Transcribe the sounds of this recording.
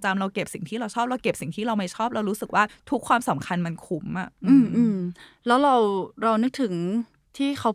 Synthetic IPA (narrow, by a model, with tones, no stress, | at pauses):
t͡ɕa˧mɾa˧wke˨˩p̚si˨˩ŋt̪ʰiː˥˩ɾa˧wt͡ɕʰɔː˥˩p̚ɾɛ˦˧wke˨˩p̚si˨˩ŋt̪ʰiː˥˩ɾa˧wma˥˩jt͡ɕʰɔː˥˩p̚lɛ˦˥wɾuː˦˥sɯ˨˩k̚waː˥˩t̪ʰu˦˥kʰːwaː˧msa˩˦mkʰa˧nma˧nkʰu˨˦˥mʔa˨˩ʔɯː˧˩˧mʔɯː˧mlɛː˦˥wɾa˧wɾa˧wnɯ˦˥k̚t̪ʰɯ˩˦ŋ | t̪ʰiː˥˩kʰa˦˥w